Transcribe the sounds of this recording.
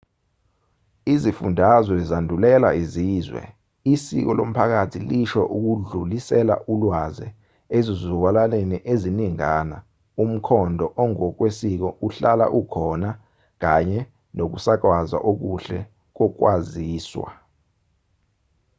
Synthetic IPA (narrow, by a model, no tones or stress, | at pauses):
izifundʱazɛzandʱulɛla̰iziːzwɛ̰ | isik̬ɔlom̩pʰak̬atʰiliʃɔ̰ʔuk̬uɮulisɛla̰ʔulwazɛ̰ | ezizuwalaleniʔeziniŋaːna | um̩kʰɔndʱɔʔɔŋɔk̬wesik̬ɔʔuɬala̰ʔukʰɔna | k̬aɲɛ | nok̬usak̬waza̰ʔok̬uɬɛ | k̬ɔk̬waziːswa̰